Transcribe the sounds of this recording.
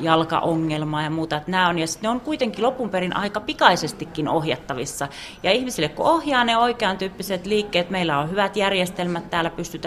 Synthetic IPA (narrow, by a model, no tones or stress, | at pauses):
jɑlkɑ̰ʔoŋːelmɑːjɑmuːt̪ɑet̪næːonjɑsi̥t̪neoŋkuit̪eŋkilopːumperinʔɑ̰ikɑpikɑisest̪ikːinohjɑt̪ːɑʋisːɑ | jɑihmisilːekkṵohjɑːneoikeɑnt̪yːpːiset̪liːkːeːt̪meilːæohyʋæt̪jærjest̪elmæt̪t̪æːlæpyst̪yt̪æ